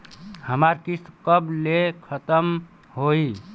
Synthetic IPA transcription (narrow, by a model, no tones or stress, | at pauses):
həmaɾkiskəblekʰət̪əm | ɦoi